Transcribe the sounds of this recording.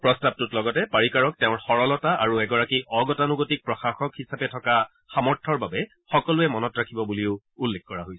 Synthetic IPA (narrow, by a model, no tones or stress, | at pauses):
pɹɔstab̚tutlɔɡɔtɛpaɹikaɹɔk̚tɛʊ̃ɹxɔɹɔlɔtaaɹuɛɡɔɹakiʔɔɡɔtanuɡotik̚pɹɔxaxɔkhisapɛtʰɔka | xamɔɹtʰɔɹbabɛ | xɔkɔlʊɛmɔnɔtɹakʰibɔbuliʊ | ulːexkɔɹaɦojs